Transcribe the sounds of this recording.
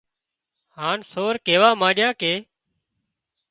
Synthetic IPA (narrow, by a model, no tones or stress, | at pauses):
haːnsoːɾkeːʋaːmãːɗɪjãːkeː